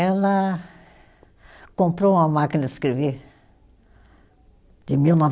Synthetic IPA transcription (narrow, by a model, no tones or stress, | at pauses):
ela | kõmpɾõamakineskɾiβi | d̪imiuna